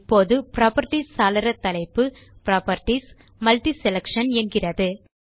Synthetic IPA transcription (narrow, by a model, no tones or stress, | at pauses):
pːoːðɯpɾaːpɐɾʈːisːaːlɐɾɐt̪ːɐlɐɪpːɯ | pɪɾaːpɐɾʈis | mɐlʈisɛlɐkʂɐnɛnɡɪrɐðɯ